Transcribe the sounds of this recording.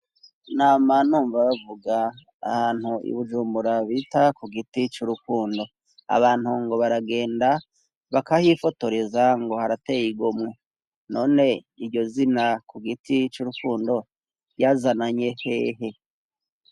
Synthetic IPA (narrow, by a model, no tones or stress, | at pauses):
naːmanuːɱvaβavuɡa̰ː | haːn̥huḭβuʒuːmbuɾaβitakuɡitit͡ʃuɾukuːndo̞ | a̰βaːn̥huŋɡo̞βaɾaɡe̞ːnda | βakahifo̞to̞ɾezaŋɡo̞haɾate̞ːjiɡomŋe | no̞ːne̞ | iɾɟo̞zinakuɡitit͡ʃuɾukuːndo̞ | jazanaɲe̞he̞ːɦe̞